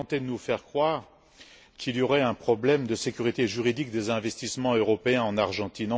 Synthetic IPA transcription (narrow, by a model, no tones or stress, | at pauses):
t̪ed̪ənufɛʁkχwaʁ | kʰiliɔʁɛɛ̃pχɔblɛmd̪əsekʲyʁit̪eʒyʁid̪ik̚d̪ezɛ̃vɛst̪ismɑ̃øʁɔpeɛ̃ɑ̃naʁʒɑ̃t̪inɑ̃